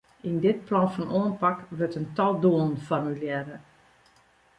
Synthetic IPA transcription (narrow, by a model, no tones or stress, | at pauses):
indɪt̚plɔnfɔnʔoənpakʋøtəntɔlˠduən̩fɔrmyljɛɾə